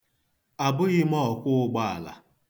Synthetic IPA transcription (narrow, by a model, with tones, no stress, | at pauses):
a˨bʊ˦ɣɪ˦mɔ˦˨kʷʊ˦ɡ͡ba˦a̰˨la̰˨